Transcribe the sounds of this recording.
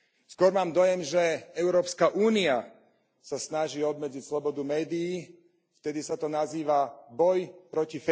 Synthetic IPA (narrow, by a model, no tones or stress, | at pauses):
skʊɔɾmaːmd̪ɔjɛmʒɛɛʊɾɔːpskaʔuːnia | sasnaʒiːɔb̪mɛd͡zicslɔbɔd̪umɛːd̪iː | ft̪ɛd̪isat̪ɔnaziːʋabɔjpɾɔcif